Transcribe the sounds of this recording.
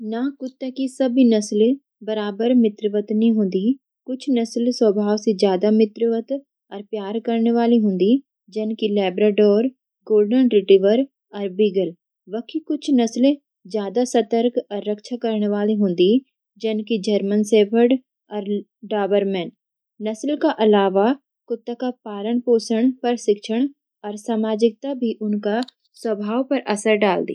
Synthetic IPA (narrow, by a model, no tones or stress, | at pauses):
nakʊt̪ːakisəbʱinəslẽ | bəɾaːbəɾmɪt̪ɾəʋət̪nĩɦʊ̃ːnd̪iː | kʊt͡ʃʰnəslswəbʱaːʋsed͡ʒjaːd̪amɪt̪ɾɪʋət̪ | ɔːɾpjaːɾkəɾneʋaːliɦʊ̃n̆d̪i | d͡ʒɐnkilɛːbɾeːɖoːɾ | ɡoːlɖənɾɪʈiːʋəɾ | ɔːɾbiːɡəl | ʋəkʰikʊt͡ʃʰnəslẽ | zjaːd̪asɐt̪əɾkɔːɾːɐkʃʰakɐɾneʋaːliɦõːnd̪i | d͡ʒɐnkid͡ʒəɾmənseːpʰəɾɖ | ɔːɾ | ɖaːbəɾmɛ̃ːɳ | nɐslkaʔɐlaːʋa | kʊt̪ːəkapaːləɳ̃poːsəɽ̃pɐɾʃɪkʃəɽ̃ | ɔːɾsaːmaːd͡ʒɪk̚t̪abʱiʔʊnka | swɐbʱaːwpɐɾʔɐsəɾɖaːld̪ḭː